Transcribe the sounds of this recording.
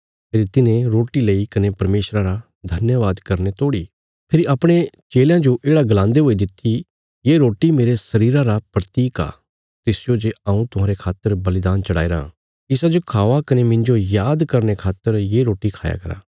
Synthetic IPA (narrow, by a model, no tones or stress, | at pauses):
pʰeːɾit̪ɪnẽɾoːʈileikɐnepɐɾmeːʃɾaɾa | d̪ʱɐnjəʋaːd̪kɐɾnet̪oːɽi | pʰɪɾiapɽ̃et͡ʃeːljãd͡ʒoʔeːɽaɡɐlãːnd̪eɦoːid̪ɪt̪ːi | jeːɾoːʈimeːɾesɐɾiːɾãɾapɾɐt̪iːka̰ː | t̪ɪsd͡ʒod͡ʒeãːũt̪ʊɦãːɾekʰaːt̪ːəɾbɐlɪd̪aːnt͡ʃɐɽaːiɾã̰ː | ɪsad͡ʒokʰaːʋakɐnemɪ̃ɲd͡ʒojaːd̪kɐɾnekʰaːt̪ːəɾjeːɾoːʈikʰa̰ːja̰kɐɾa̰ː